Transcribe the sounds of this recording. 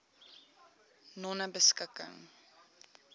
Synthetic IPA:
nɔnəbəskəkə̰ŋ

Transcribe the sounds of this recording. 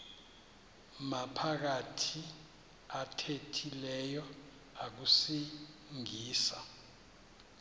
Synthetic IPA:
mapʰak̬atʰi | atʰetʰilɛjɔ | ak̬usi | ŋiːsa

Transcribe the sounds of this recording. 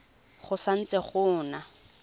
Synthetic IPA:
χʊsan̩t͡sɛχʊːna

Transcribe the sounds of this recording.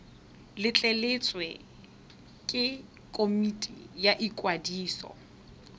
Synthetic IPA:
lɪt͡ɬʼelɪt͡sʼwɛ | kʼɪ | kʼomitʼijaʔikʼwadiːsɔ̰

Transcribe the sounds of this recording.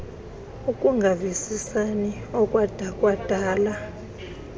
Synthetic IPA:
ukʼuŋɡʱavisisaniɔkʼwad̥ʱakʼwad̥ʱaːla

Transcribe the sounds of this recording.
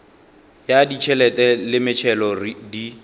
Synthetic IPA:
jadit͡ʃʰɛlɛtʼɛlɪmɪt͡ʃʰɛlɔridi

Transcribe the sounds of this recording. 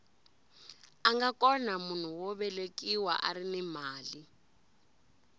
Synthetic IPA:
aŋɡakʼɔnamun̤uwɔβɛlekʼiwaʔa̰ɾinɛmaːli

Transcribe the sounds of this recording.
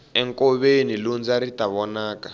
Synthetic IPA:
ɛŋkɔβenilund͡zaɾitaβɔnaːka

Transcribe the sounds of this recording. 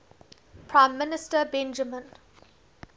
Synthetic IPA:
pʰɹãɪ̃mːɪnɪsʈəbɛ̃nd͡ʒəmə̃n

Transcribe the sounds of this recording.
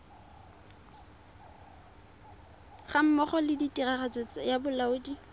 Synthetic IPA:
χam̩mɔχɔlɪditʼiraχat͡sʼet͡sajabʊlaʊːdi

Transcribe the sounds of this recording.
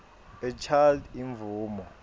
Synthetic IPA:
ɛt͡ʃʰaldiɱvuːmɔ

